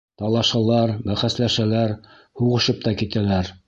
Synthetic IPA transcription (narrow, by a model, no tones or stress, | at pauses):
t̪ɑlˠɑʃɑlˠɑɾbæχæslæʃælæɾ | huʁɤ̆ʃɤp̚t̪ɑkit̪ælæɾ